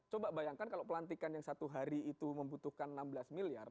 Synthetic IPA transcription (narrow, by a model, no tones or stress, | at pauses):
t͡ʃobabajaŋkankalopəlant̪ikanjaŋsat̪uɦaɾiːt̪uməmbut̪uhkannambəlasmilia̰r